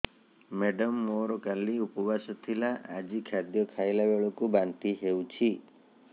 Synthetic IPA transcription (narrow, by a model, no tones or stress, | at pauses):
meɖɔmːoɾɔkaliupɔbasɔt̪ʰilaʔad͡ʒikʰad̪jɔkʰajlabeɭɔkubant̪iɦewt͡ʃʰi